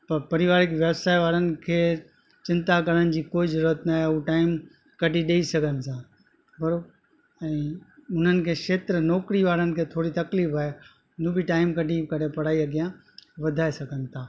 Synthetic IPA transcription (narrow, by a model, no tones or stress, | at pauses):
pɐɾpɐɾɪʋaːɾɪkʋeːbsaːiʋaːɾənɪ̆kʰeː | t͡ɕɪ̃nt̪akɐɾənɪ̆d͡ʑiːkoːizɐɾuːɾət̪naːɦeʊʈaːɪm | kɐʈiɗeːisɐɡʱənɪ̆t̪ʰãː | bɐɾo | ɛ̃ːʊn̤ənɪ̆kʰeːʃeːt̪ɾənɔːkɾiʋaːɾənɪ̆kʰeːt̪ʰoːɽit̪ɐkliːfaːɦe | ʊn̤ũbiʈaːɪmkɐʈikɐɾepɐɽaːiɐɡijã | ʋɐd̪ʱaːesɐɡʱənɪ̆t̪ʰaː